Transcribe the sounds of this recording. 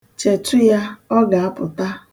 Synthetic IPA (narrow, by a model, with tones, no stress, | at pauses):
t͡ʃe˨tʊ˦ja˦ɔ˦ɡa˨a˦pʊ˨ta˦